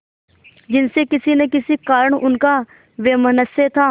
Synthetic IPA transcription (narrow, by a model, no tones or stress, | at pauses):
d͡ʒɪnsekɪsinekɪsikaːɾəɽ̃ʊnka | ʋeːmənəset̪ʰaː